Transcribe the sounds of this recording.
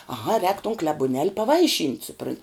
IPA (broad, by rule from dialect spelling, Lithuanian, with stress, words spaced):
ɐˈɣɐ rʲɛːk toːn klʲɛbʊˈnʲɛlʲ pɐˈʋɐɪˌʃʲiːnʲtʲ sʊˈprɐnʲ